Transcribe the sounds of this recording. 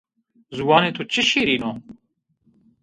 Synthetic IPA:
zuwɑːnet̪ʰut͡ʃəʃiːɾiːno

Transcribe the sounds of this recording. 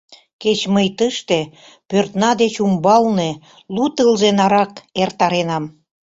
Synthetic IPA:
ket͡ɕməjt̪əʃt̪e | pørt̪nɑd̪et͡ɕumbɑlne | lut̪əlzenɑɾɑkert̪ɑɾenɑm

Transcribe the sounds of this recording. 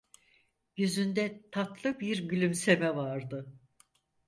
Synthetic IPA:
jyzynd̪ɛt̪ʰat̪lˠɯbiɾɟylʲymsemɛvaɾd̪ɯ

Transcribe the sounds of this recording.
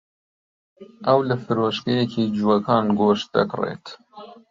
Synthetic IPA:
ʔɐwlafɨɾoːʃkɐjɛkʰiːd͡ʒuwɐkʰɑːnɡoːʃ̚d̪ɐ̰krḛːt̪

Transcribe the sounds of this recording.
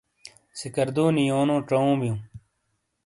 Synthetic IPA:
sikɐɾd̪uːnijoːnõːʈ͡ʂoõːbijũː

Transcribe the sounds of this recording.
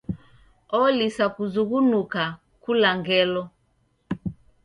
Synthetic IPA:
ɔlisakuzuɣunuka | kulaŋɡɛlɔ

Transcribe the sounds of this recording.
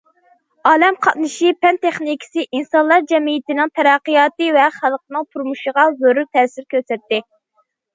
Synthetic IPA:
ɑːlɛmqʰɑt̪̚nɨʃipʰɛnt̪ʰeχnikʲʰɪ̥sɨʔinsɑnlˠɑɾd͡ʒɛmijɪt̪ɪnɪŋp̪ʰɛɾɑːqijɑːt̪ɨvɛχælˠqʰənɨŋpʰuɾmuʃəʁɑvøɾyt̪ʰɛːsɪɾkʲʰøɾsɛt̪ːɪ

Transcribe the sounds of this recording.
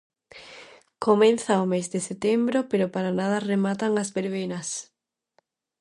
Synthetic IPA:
komẽnθaomezðeset̪embɾopeɾopaɾanað̞ɐremat̪aŋazβeɾβenɐs

